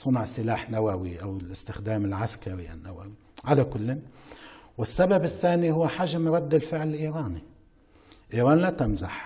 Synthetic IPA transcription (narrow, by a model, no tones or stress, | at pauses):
sˤʊnʊʕsɪlaːħnawawiʔawɪlʔɪst̪ɪxd̪aːmɪlʕaskaɾiʔa̰nːawawi | ʕalakʊlːn | wɪsːababɪθːaːnihʊwːħaːʒːamɾˤɑd̪ːɪlfɪʕlɪlʔiːɾɑːni | ʔiːɾɑːnlat̪amza̰ħ